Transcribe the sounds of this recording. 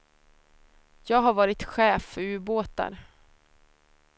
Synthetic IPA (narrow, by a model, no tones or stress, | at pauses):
jɑːɡɦaɾvɑːɾɪt̪ɧɛːfœɾʉːboːt̪a̰ɾ